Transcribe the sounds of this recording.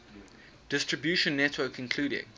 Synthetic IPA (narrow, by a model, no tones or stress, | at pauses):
d̥ɪstɹ̥əbjʉˑʃə̃nːɛtʰwəːˑkʰɪ̃nkʰl̥uːɾɪ̰̃ŋ